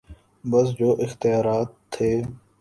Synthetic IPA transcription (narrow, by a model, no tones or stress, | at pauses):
bəs̬d͡ʒoːʔɪxt̪ɪjaːɾaːt̪ʰːeː